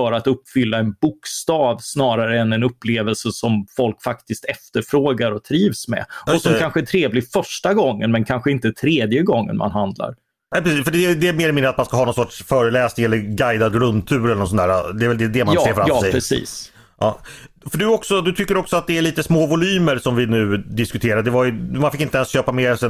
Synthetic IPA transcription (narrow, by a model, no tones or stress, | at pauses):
fœɾat̪ɵpːfʏlːaɛnbʊkst̪ɑːvsnɑːɾaɾəɛnɛnɵpːleːvəlsəsɔmfɔlkfakt̪ɪst̪ɛft̪əɾfɾoːɡaɾɔt̪ʰɾiːvsmɛ̰ɔsɔmkʰanɧəæʈʰɾeːvlɪfœʂʈaɡɔŋːə̰nmɛnkʰanɧəɪnt̪ət̪ʰɾeːd̪jəɡɔŋːə̰nma̰nɦand̪la̰ɾ | nɛpɾɛsiːsfœɖɛd̪ɛmeːɾɛmɪnːɾat̪manskaɦɑːnɔnsɔʈʂfœːɾəlɛːsnɪŋɛlːəɾɡajd̪ad̪ɡɾɵnt̪ʰːʉ̟ːɾɛlːəɳnɔsɔnæːɾad̪ɛːɾvɛld̪ɛd̪ɛmanseːfɾaɑfːɛjɾɛsḭːs | ɑ̰ːfœɖɵɔksɔd̪ɵt̪ʰʏkːəɾɔksɔat̪̚d̪ɛæɾɭiːt̪əsmoːvʊlyːməɾʂɔmvɪnʉ̟ːd̪ɪskɵt̪ʰeːɾad̪ɛvajɵmanfɪkːɪnt̪əɛnsɕøːpameːɾsɛ